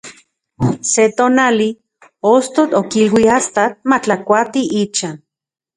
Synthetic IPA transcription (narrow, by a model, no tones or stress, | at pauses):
set̪oːnali | ost̪ot̪okilwiast̪at̪̚mat͡ɬakʷat̪iʔit͡ʃaːn